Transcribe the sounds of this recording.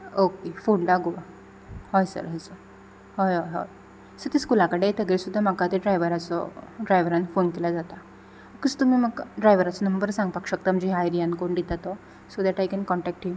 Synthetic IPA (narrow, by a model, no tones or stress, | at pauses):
okefoɳɖaɡuʋa | hɔjsə̰ɾɦɔjsəɾ | hɔjɦɔjɦɔ̰j | səɾt̪iskulakəɽet̪əɡɾesud̪ʱːam̤akat̪eɖɾajʋəɾat͡sɔ̰ɖɾajʋəɾanfonkelad͡zat̪a | kəst̪um̤iməɡɖɾajʋəɾat͡sɔnəmbəɾsãŋɡpakɕək̚t̪aməd͡ʑiɦajɾijankoɳɖ̪it̪at̪ɔ | sod̪ɛʈajkɛnkɔɳʈɛk̚ʈɦim